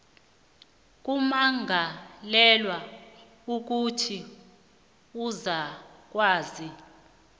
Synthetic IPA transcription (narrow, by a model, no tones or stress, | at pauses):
k̬umaŋɡʱalɛlwa | uk̬utʰi | uzak̬waːzi